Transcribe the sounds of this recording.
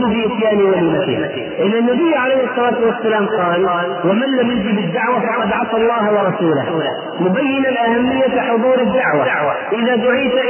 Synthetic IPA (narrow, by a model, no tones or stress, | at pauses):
bɪʔɪsjaːniwaliːmat̪ɪ̰ | ʔɪnːanːabɪjːʕalejːhɨsˤːɑlaːt̪wɪsːalaːmqɑːlːlwɪmanlamjɪd͡ʒ̪ibɪd̪ːaʕwafɑʕwqɑd̪ʕɑt̪ɑlˤːɑːhwɑɾˤɑsuːla̰h | mʊbajːɪnanʔahamːɪjːaħʊðˤuːɾɪd̪ːaʕwa̰ʕaʔɪðad̪ʊʕiːt̪ʔ